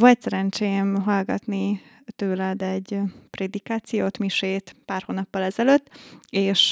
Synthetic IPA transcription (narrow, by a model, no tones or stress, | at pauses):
ʋo̞lt̪sɛɾɛnt͡ʃejɛmɦɒlɡɒt̪ni | t̪øːlɛd̪ɛɟːpred̪ikaːt̪sijoːt̪miʃeːt̪paːrhonɒpːɒlɛzɛløt̪ːeːʃ